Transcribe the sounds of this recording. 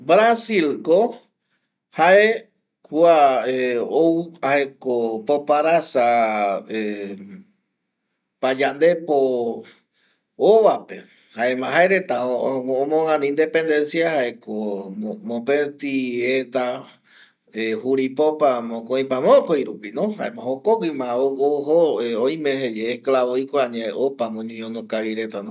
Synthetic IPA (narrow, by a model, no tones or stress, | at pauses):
bɾasilko | haʔe | kuaeouahekopopaɾasae | pad͡ʒand̪e̞po | oʋape̞ | haemãɦaeɾe̞t̪aoõmõŋãnĩind̪e̞pẽ̞nd̪e̞nsiahaʔekomomõpet̪iet̪a | ehuɾipopamõkõj̃pamõkojɾupinõɦa̰emãɦokokɨmãooɦoeoj̃mẽɦed͡ʒeːklaβoikoaɲẽeopamõɲõɲõnõkaʋiɾe̞t̪anõ